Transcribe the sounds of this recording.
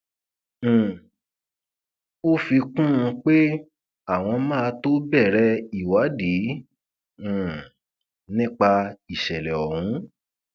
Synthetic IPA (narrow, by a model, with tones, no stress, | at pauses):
o˦fi˧kũ˦ũ˧k͡pe˦ | a˦˨w̃ɔ̃˧mãː˦a˧to˦bɛ˦˨ɾɛ˧˦i˦˨wa˨˦di˨˦˨ | nĩ˦k͡pa˧i˨ʃɛ˨lɛ˨ɔ˨hũ˨˦